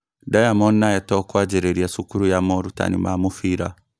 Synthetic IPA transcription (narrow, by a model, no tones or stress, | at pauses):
dajamɔnːajɛtɔkwad͡ʒɛɾeɾiasukuɾujamɔɾuta̰nḭmamufiɾa